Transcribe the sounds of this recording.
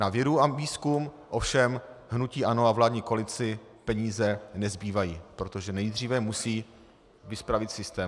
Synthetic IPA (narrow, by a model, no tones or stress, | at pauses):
navjɛɾuaviːskum | ʔo̞fʃɛmɦnuciːʔanoavlaːdɲiːko̞lɪt͡sɪ | pɛɲiːzɛnɛzbiːvajiːpɾot̪o̞ʒɛnɛjd̪r̝iːvɛmusiː | vɪspɾavɪt̪sɪst̪ɛːm